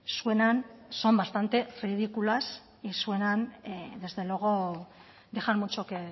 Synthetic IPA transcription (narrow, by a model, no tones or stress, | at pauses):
sue̞nanso̞mbast̪ant̪e̞riðikulas | isue̞nand̪e̞zðe̞lwoɣ̞o̞ | d̪exaɾmut͡ʃoke